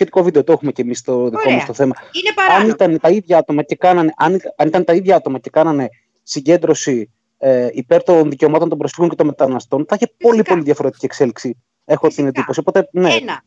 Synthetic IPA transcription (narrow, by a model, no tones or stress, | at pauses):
sçe̞t̪i̥ko̞vid̪e̞ot̪oe̞xumecemist̪oðiko̞mɐst̪oθe̞mɐɐnit̪ɐnt̪ɐiðʝɐɐt̪o̞mɐce̞kɐnɐne̞ʔɐniɐnit̪ɐnet̪ɐiðʝɐɐt̪o̞mɐce̞kɐnɐne̞ | siɲɟe̞nd̪ɾo̞si | ipe̞ɾt̪o̞nðice̞o̞mɐt̪ont̪o̞mbɾosfiɣoɲcet̪o̞met̪ɐnɐst̪o̞nθɐiçepo̞lipo̞liðʝɐfo̞ɾet̪i̥ciekse̞liksi | e̞xo̞t̪ined̪ipo̞siopo̞t̪ene̞